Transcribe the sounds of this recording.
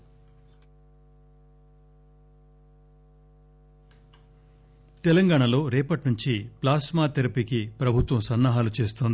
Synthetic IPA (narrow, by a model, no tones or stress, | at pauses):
t̪elɐŋɡaːɳɐlo̞ːɾeːpɐʈnuɲt͡ʃiplaːsmaːt̪eɾɐpikipɾɐbʱut̪ʋɐmsɐnːaːɦaːlut͡ʃe̞ːst̪ond̪i